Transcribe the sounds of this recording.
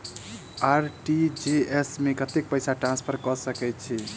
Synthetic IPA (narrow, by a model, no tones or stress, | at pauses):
aɾʈid͡ʒeesmekət̪ek̚pəjsaʈɾãnspʰəɾkɔsəkɛjt̪̚t͡ʃʰi